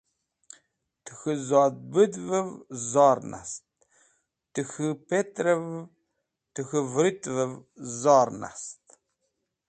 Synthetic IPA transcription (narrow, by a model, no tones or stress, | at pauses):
tʰɨ̥xɨzɑːd̪̚bɨd̪vɨvzɑːrna̰st̚ | tɨxɨpʰetʼrɐv | tʰɨxɨvɾɨtʼvɨvzɑːrna̰st